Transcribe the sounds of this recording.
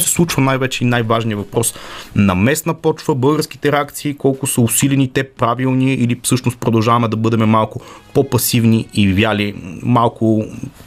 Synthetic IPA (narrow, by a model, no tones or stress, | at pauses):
sɛ̥slˠut͡ʃvɐnajvɛt͡ʃɛinajvaʒnijəvɐpɾɔsnɐmɛsnɐpɔt͡ʃvəbɤlˠɡəɾski̥t̪ɛɾɛak̚t̪siːkɔlˠkʊsəʊsilʲɛnit̪ɛpɾavilˠniʔilifsɤʃnʊst̪̚pɾod̪ɐlˠʒavɐmɛd̪ɐbɤd̪ɛmɛmalˠkʊpopɐsivniivjalimalˠkʊ